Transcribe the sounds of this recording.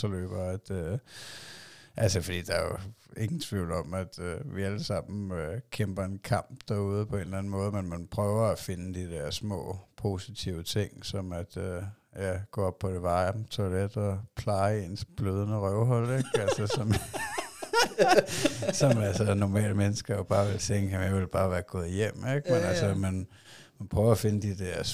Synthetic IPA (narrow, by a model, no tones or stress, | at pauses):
sɒlø̰ːb̥ɐæd̥ø | ʔælsəfɒ̽d̥ḭːd̥ɑ̈æjoe̝ŋn̩t͡sʰʋiʊ̰l̩ɒ̽mæd̥øʋiæləsɑ̈m̰n̩økʰemb̥ɐe̝nkʰɑ̈m̰b̥d̥æɐuð̞ˠpʰɒ̽e̝ːnlæn̩mɔ̽ːð̞ˠmenmænpʰʁœːʊɐæfe̝nəd̥id̥æɐ̰smɔ̰ːpʰo̝sit͡sʰiʊət͡sʰe̝ŋ̰sɒ̽mæd̥ø | jæɡ̥ɔ̰ːɒ̽b̥̚pʰɒ̽d̥eʋɑ̈ɪt͡sʰo̝led̥ɒpʰlɑ̈ɪe̝nsb̥løːð̞ˠnəʁœʊɦɒl̰eɡ̥ælsɐsɒ̽m | sɒ̽mælsɐnɒmɛ̰ːləmenəsɡ̥ɐjob̥ɑ̈ːʋe̝lt͡sʰeŋɡ̥əjemjɑɪʋelb̥ɑ̈ːʋæːɐɡ̥ɔ̰̽ːð̩ˠjem̰eɡ̥menælsəmæn | mænpʰʁœʊɐæfe̝nəd̥id̥eɐs